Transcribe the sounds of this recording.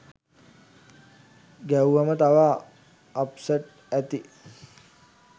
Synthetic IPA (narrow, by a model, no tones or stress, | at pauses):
ɡæwuːamət̪aʋaː | psəʈ | æt̪i